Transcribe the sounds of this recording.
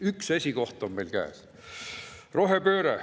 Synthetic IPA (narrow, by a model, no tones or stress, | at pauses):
ykse̞sʲiɡo̞ht̪omme̞jlkæ̰ːs | ro̞ɦepøːɾe